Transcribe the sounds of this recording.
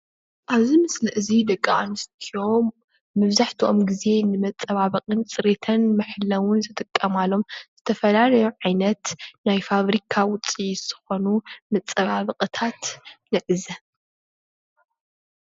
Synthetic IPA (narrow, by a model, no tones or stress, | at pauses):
ʔaβzimɨslɨʔɨzid̪ɐkʼːaʔanɨst̪ʰio̞mː | ɐβzaħt̪ʰiʔo̞mɡize̞nɨmɐt͡sʼːɐβaβɨqʼɨnt͡sʼɨɾet̪ʰɐnmɐħɨlːɐwʊnzɨt̪ʼɨkʼːɐmalo̞mz̥ɨt̪ʰɐfɐlalɐjuʕajnɐt̪najfaβɾikʰawʊt͡sʼiz̥ɨxo̞numɐt͡sʼɐβaβɨqʼɨt̪ʰat̪nɨʕɨzɐ